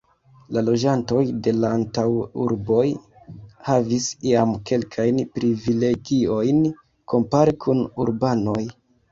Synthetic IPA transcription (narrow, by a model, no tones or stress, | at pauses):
lalo̞d͡ʒanto̞jde̞laːntawṵɾbo̞j | havisiamke̞lkʰajnpɾivile̞ɡio̞jn | ko̞mpaɾikʰunṵɾbano̞j